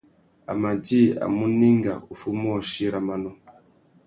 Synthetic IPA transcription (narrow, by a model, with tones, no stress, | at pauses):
a̰˨ma˨d͡ʒi˦a̰˨mu˦ni˦ŋɡa̰˨u˨fu˦mɔ˦˨ʃi˦ɾa˨ma˦nɔ˨